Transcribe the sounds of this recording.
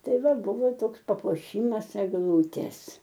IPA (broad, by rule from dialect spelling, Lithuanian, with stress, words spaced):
ˈtɐɪ ˈʋɐ ˈbʊʋoː ˈtoːks pɐpuɔˈʃʲiːmɐs ɛɡˈlˠuːtʲeːs